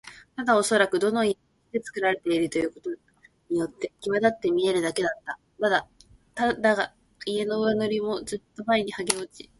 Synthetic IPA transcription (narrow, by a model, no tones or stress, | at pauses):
t̪ad̪ao̞so̞ɾakɯ̟d̪o̞no̞ie | d̪e̞t͡sɨ̥kɯ̟ɾaɾe̞t̪e̞iɾɯ̟t̪o̞jɯ̟ːko̞t̪o̞ | ɲ̟ijo̞t̪ːe̞kʲiβad̪at̪ːe̞mʲie̞ɾɯ̟d̪ake̞d̪at̪ːa | mad̪a | t̪ad̪aɡa | ie̞no̞ɯβano̞ɾʲimo̞zɨt̪ːo̞baiɲ̟ihaɡe̞o̞t͡ɕi̥